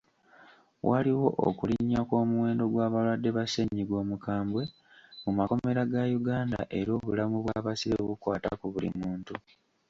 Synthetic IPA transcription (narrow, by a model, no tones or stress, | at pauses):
wʔaliwo̞ʔo̰kuliɲːakoːmuwe̞ːndo̞ɡwaːβalwadːe̞βaseɲːiɡo̞ːmukaːmbwe̞ | mumako̞me̞ɾaɡajuɡaːnda̰ʔe̞ɾo̞ːβulamuβwaːβasiɾeβukwaːta̰kuβulḭmuːntu